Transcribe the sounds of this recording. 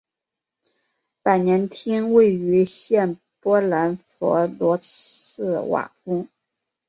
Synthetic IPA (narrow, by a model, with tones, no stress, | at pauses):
pa˨˩ɪnjɛ˧˥nt̪ʰi˥nwe˥˩ɪy˧˥ɕjɛ˥˩n | pwɔ˥la˧˥nfɔ̰˧˥lwɔ˧˥ɹ̩˥˩wa̰˨˩pʰu˥